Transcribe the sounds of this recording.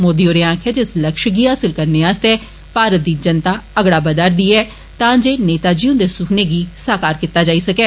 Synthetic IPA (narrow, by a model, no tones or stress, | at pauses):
moːd̪iːoːɾeːãːkʰɛːd͡ʒɪsləkʃɡiːɦaːsɪlkəɾneːaːst̪eː | paːɾət̪̚d̪iːd͡ʒənt̪aːəɡɽaːbəd̪aːɾd̪iːɛː | t̪ãːd͡ʒeːneːt̪aːd͡ʒiːũnd̪eːsʊkʰneːɡiːsaːkaːɾkɪt̪ːaːd͡ʒaːiːsəkɛː